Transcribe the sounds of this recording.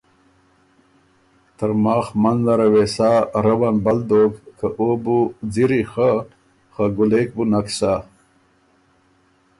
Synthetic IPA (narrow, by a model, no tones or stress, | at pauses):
t̪əɾmaːxmanzaɾawesaːɾəwanbɐld̪okkaʔobud͡ziɾixa | xaɡulek̚bunaksa